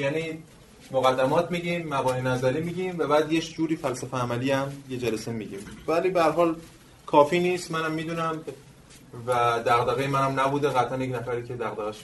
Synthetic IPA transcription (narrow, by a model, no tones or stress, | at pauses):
jæːni | moɣæd̪ːæmɒːt̪ʰmiɟimːæbɒːninæzæɾiːmiːɟimvæbæːd̪je̞kʰd͡ʒuːɾiːfælsæfeæmæliæmje̞d͡ʒælæsemiɟḭːmvæliːbehæɾɦɒːl | kʰɒːfiːniːst̪mænæmːiːd̪uːnæm | væd̪æɣd̪æɣejemænæmnæbuːd̪eɣæt̪ʰænjecʰnæfæɾiːcʰe̞d̪æɣd̪æɣæʃ